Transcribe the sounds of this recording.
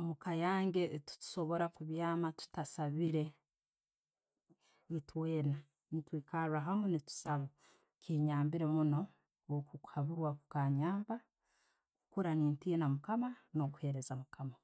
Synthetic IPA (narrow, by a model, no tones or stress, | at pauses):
mukajaːŋɡe̞tu̥tu̥ʃo̞βo̞ɾakuβjaːmatu̥tasaβiɾe̞ | itwe̞ːna | nitwiːkaɾuaɦamunitu̥saβo | kiːɲaːmbiɾe̞muno̞ | okuaβiwakukaːɲaːmba | kukuɾaniːntinamukamano̞ku̥he̞ɾe̞zamukama